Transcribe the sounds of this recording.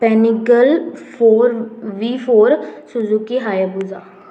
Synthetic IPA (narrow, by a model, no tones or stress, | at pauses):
pɛːnikəlpʰoːɾʋiːfʰoːɾsʊzukiːɦaːjabuzaː